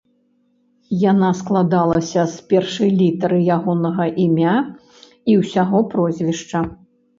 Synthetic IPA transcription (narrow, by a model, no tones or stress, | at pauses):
janasklˠad̪alˠɐsʲɐspʲɛrʂɐjlʲit̪ɐɾɨjaɣɔnɐɣɐʔimʲa | iwsʲaɣɔpɾɔzʲvʲiʂt͡ʂɐ